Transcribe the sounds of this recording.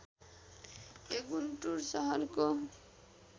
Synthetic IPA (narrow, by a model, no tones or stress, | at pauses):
eɡunʈuɾsʌɦʌɾko